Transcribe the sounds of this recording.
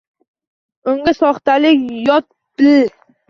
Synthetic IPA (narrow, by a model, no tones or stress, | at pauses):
ʊŋɡʲasɒχt̪alɪkʲjɒt̪̚ | b̥ɪl